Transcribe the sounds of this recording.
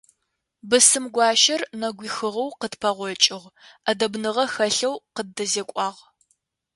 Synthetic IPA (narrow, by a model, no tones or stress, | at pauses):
bɨsɨmɡʷɑːʃɐrnɐɡʷiːxɨʁɐwqətpʰɐʁʷɔt͡ʃʼɪʁʔɐdɐbnɨʁɐxɐɬɐwqədɐzeːkʷʼɑːʁ